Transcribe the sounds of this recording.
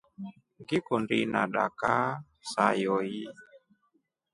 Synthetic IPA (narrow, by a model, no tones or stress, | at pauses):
ŋɡikundinaɗa̰ka | sajɔji